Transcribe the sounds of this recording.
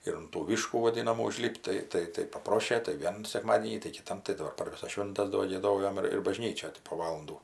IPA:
ɪr ʊn tuː ˈʋʲiːʃkuː ʋɐˈdʲɪnɐmuː ʊˈʒʲlʲɪpʲtʲ tɐɪ ˈtɐɪ tɐɪ pɐˈproːʃʲeː tɐɪ ˈʋʲiɛnʊ sʲɛkˈmɑːdʲiɛnʲiː tɐɪ kʲɪˈtɐm tɐɪ dɐˈbɐr pɐr ˈʋʲɪsɐs ˈʃʲʋʲɪntɐs doː ɡʲiɛˈdoːjoːm ɪr ɪr bɐˈʒʲnʲiːt͡ʃʲoːj tʲɪ poː ˈʋɑːlˠɐnduː

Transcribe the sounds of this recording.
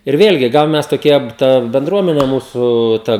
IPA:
ɪr ˈʋʲeːlʲɡʲɪ ˈɡɐlˠ ˈmʲɛs toːˈkʲiɛ ˈtɐ bʲɛnˈdruɔmʲɛnʲɛ ˈmuːsʊ ˈtɐ

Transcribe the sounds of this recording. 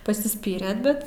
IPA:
pɐsʲɪˈsʲpʲiːrʲeːt ˈbʲɛt

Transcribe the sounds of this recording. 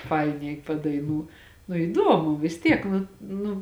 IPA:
ˈfɐɪnʲɛɪ pɐdɐɪˈnuː nʊ ɪˈdoːmʊ ʋʲɪs ˈtʲiɛk ˈnʊ ˈnʊ

